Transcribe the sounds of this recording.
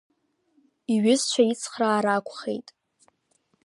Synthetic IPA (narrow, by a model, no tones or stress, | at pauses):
iɥɪzt͡ʃʷʰait͡sʰχraːɾakʷʰʼχḛjtʼ